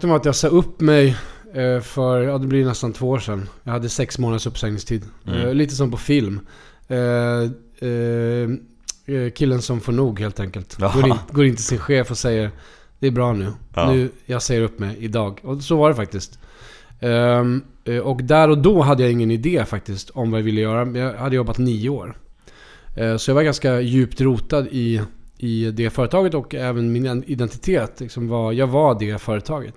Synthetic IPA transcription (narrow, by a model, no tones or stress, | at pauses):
əmɛat̪jɑːɡsɑːɵpːmɛj | fœɾjɑːd̪ɛblɪjnɛst̪ant̪ʰvoːoːʂɛnːjɑhad̪ːəsɛksmoːnad̪əsɵpːsɛŋnɪŋst̪ʰiːd̪liːt̪əs̬ɔmpʰɔfɪlm | kʰɪlːənsɔmfɔɳuːɡɦheːlt̪ʰɛŋkəlt̪ɡoːɪɡoːɾɪnt̪ʰɪsɪnɧeːfɔsɛjːəɾ | d̪̥ɛæbɾɑːnʉ̟ːnʉ̟ːjɑɡsɛjːəɾɵpːmɛjɪd̪ɑːɡɔsɔvaɖɛfak̚t̪ɪst̪ | ɔkd̪æɾɔd̪ɔɦad̪ːəjaɪŋːənɪd̪eːfak̚t̪ɪst̪ɔmvajavɪlːəjœːɾamɛjɑhad̪ːəjɔbːat̪niːəoːɾ | sɔjavaɾɡanskajʉ̟ːpt̪ɾuːt̪ad̪ɪɪd̪ɛfœːɾət̪ʰɑːɡət̪ɔkɛːvənmɪnɛɪd̪ɛnt̪ɪ̥t̪ʰeːt̪lɪksɔmvajɑːɡvaɖɛfœːɾət̪ʰɑːɡət̪